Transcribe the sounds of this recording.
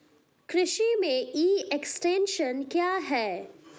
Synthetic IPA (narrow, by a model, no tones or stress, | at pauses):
kɾɪʃimẽʔiːeksʈẽːnʃənkjaːɦɛː